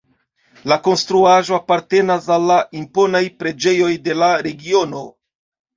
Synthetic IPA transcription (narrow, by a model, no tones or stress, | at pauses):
lako̞nstɾuaʒo̞apaɾte̞nasalːaʔimpo̞najpɾe̞d͡ʒe̞jo̞jde̞laɾe̞ɡio̞no̞